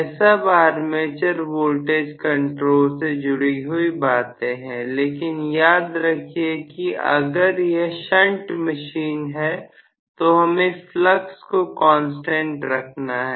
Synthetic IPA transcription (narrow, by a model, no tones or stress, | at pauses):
sabaːɾmeːt͡ʃəɾʋoːlʈeːd͡ʒkɐ̃ɳʈɾoːlsed͡ʒʊɽiɦuibaːt̪ẽɦɛ̃leːkɪnjaːd̪ɾɐkʰiekiʔɐ̰ɡəɾjeʃə̃ɳʈməʃiːnɦɛ | t̪oɦɐmẽfləkskokɔ̃ːnsʈẽɳʈɾɐkʰnaɦɛː